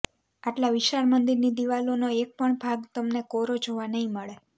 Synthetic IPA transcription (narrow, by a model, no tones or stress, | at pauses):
aʈlaʋɪʃaɾmənd̪iɾnid̪iʋalonoek̚pəɳbʱaɡt̪əmnekɔɾod͡ʒʱoʋanəɦĩməɭe